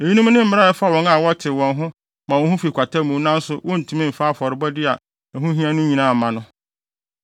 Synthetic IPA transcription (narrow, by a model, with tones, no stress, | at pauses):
e˨ɲi˦nũ˦m˦nɪ̃˦m̩˦˨mɪ˦ɾa˦ɛ˦fa˦wɔ̃˨˦na˨wɔ˦tʰɪ˨wɔ̃˨nɦʊ̃˦ | mã˨wɔ̃˨nhʊ̃˦fi˨kʷʰa˨tʰa˦mũ˨˦nã˦n̩˦sʊ˨wɔ̃˦n̩˨tʰũ˦mĩ˦m̩˨fa˦˨fɔ˨ɾɪ˨˦bɔ˦dɪ˦a˨ | ɛ˨ɦʊ̃˦ɦĩ˦ã˦nʊ̃˦ɲĩ˨nã˦˨mã˨nʊ̃˦